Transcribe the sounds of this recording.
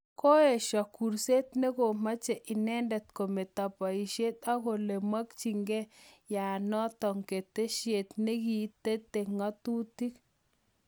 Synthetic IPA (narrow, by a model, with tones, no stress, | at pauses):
ko˦ɛ˨ʃɔ˨ku˨ɾse˦t̪ne˦ko˨ma˦t͡ʃe˨ʔɪ˨nɛ˦ndɛ˨t̪ko˨me˨t̪a˨pa˨i˨ʃe˦t̪a˦ko˨le˨ma˦kt͡ʃi˨ŋɡe˦ja˨nɔ˦tɔ˨ŋke˨t̪e˦ʃje˨t̪ne˦ɡi˨˦te˦t̪e˨ŋa˦t̪u˦ti˦k